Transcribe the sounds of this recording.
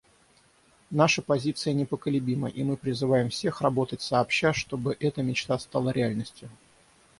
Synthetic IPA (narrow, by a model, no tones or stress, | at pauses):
naʂəpɐzʲit̪sɨjənʲɪpəkəlʲʊbʲimə̰ʔimɨpɾʲɪzɨvajɪmfsʲe̞xrɐbo̞t̪ətʲsɐːpɕːaʂt̪o̞bɨʔɛt̪əmʲɪt͡ɕt̪ast̪alˠəɾʲɪalʲnəsʲtʲjʊ